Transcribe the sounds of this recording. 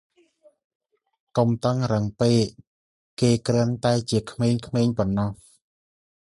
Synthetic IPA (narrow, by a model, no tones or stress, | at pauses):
kumt̪əŋrəŋpeːʔ | kːeːkrənt̪aɛt͡ɕiəkʰmeːɲkʰmeːɲpɔnːɑh